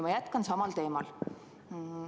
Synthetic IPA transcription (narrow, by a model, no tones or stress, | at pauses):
mɑjæt̪kɑnsɑmɑlt̪e̞ːmɑl